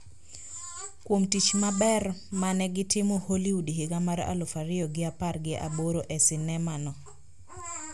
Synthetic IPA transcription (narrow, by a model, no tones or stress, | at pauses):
kwomtit͡ʃmabɛrmanɛɡɪtɪmɔholiudiɦɪɡamaɾa̰lɔfaɾɪɔɡɪaparɡɪʔa̰boɾoʔɛsɪnɛmanɔ